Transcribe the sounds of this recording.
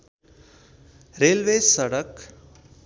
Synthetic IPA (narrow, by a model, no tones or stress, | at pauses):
ɾeːlʋeːsəɽək